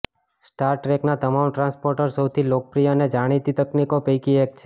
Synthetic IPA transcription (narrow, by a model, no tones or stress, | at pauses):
sʈaɾʈɾeknat̪əmamʈɾãnspoɾʈəɾsəwt̪ʰilok̚pɾijaned͡ʒaɽ̃it̪it̪əknikopəjkiek̚t͡ʃʰe